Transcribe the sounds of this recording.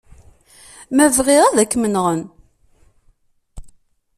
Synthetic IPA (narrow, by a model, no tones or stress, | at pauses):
mævʁɪʁæðækːmənʁən